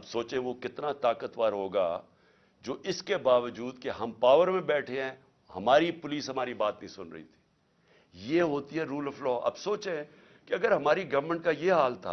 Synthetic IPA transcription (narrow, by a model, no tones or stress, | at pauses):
ɐbsoːt͡ʃẽʋokɪt̪nat̪aːkət̪ʋaːɾɦoːɡa̰ | d͡ʒoːʔɪskebaːʋəd͡ʒuːd̪keɦɐmpaːʋəɾmẽbɛːʈʰeɦɛ̃ː | hɐ̰maːɾipʊliːsɦɐmaːɾibaːt̪nəɐɦĩsʊnɾɐ̰ɦḭt̪ʰi̥ː | jeɦoːt̪iɦɛɾuːlɔflɔːʔɐ̰bsoːt͡ʃẽ | keɐɡəɾɦɐmaːɾiɡɐʋəɾmə̃ɳʈ̚kajeɦaːlt̪ʰa̰ː